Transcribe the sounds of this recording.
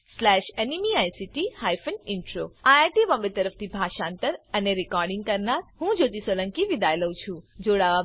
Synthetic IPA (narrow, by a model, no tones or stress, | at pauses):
slɛʃenimiajsiʈihajfənɪɳʈɾoaaʈiʋɔmbət̪əɾəft̪ʰibʱaʃãːnt̪əɾəneɾikɔɾɖɪŋɡ̚kəɾnaɾɦũd͡ʒot̪isolə̃ŋkiʋid̪ajləũt͡ʃʰũd͡ʒoɽaʋa